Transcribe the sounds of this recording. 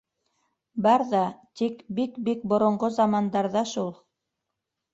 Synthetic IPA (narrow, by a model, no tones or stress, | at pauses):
bɑɾðɑt̪ikbikbik̚bŏɾŏɴɢozɑmɑnd̪ɑɾðɑʃulˠ